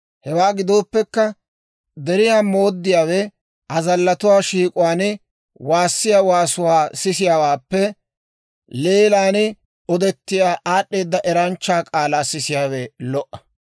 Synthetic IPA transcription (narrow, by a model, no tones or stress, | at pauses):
hɛwaːɡɪd̪o̞ːpːɛkːɐ | d̪ɛɾɪjaːmo̞ːd̪ːɪjaːwɛ | ʔɐzɐlːɐt̪ʊwaːʃiːkʼʊwaːnɪ | waːsːɪjaːwaːsʊwaːsɪsɪjaːwaːpːɛ | le̞ːlaːnɪ | ɔd̪ɛt̪ːɪjaːʔaːɗːe̞ːd̪ːɐʔɛɾɐnt͡ʃːaːkʼaːlaːsɪsɪjaːwɛlɔʔːɐ̥